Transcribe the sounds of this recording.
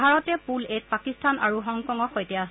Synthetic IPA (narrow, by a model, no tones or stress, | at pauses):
aɹɔtɛpulet̚pakistʰanʔaɹuɦɔŋkɔŋɔxojtɛas